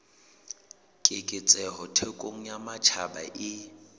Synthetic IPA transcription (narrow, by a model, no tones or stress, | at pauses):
kʼɪkʼɪt͡sʼɛhɔtʰɛkʼoŋ̩jamat͡ʃʰaba̰ʔɪ